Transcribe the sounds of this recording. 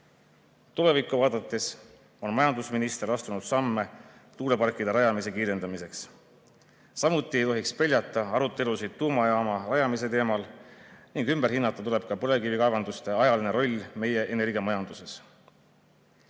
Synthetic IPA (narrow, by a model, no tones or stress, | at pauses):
t̪ule̞vikːˑuvɑːd̪ɑt̪ːˑes | o̞nmɑjɑnd̪usminist̪e̞ɾɑst̪unud̪̥sɑmːe̞t̪uːle̞pɑrkːˑid̪̥ɑɾɑjɑmise̞kiːɾe̞nd̪ɑmise̞ks | sɑmut̪ːˑie̞jt̪o̞ɦikspe̞lʲjɑt̪ːˑɑɑɾut̪ːˑe̞lusid̪̥̚t̪ːuːmɑjɑːmɑrɑjɑmise̞t̪e̞ːmɑlniŋɡymb̥e̞ɾɦinːɑt̪ːˑɑt̪ule̞b̥̚kɑpɤɾe̞kivikɑvɑnd̪ust̪e̞ɑjɑline̞ɾo̞lʲːme̞je̞ʔene̞rɡemɑjɑnd̪use̞s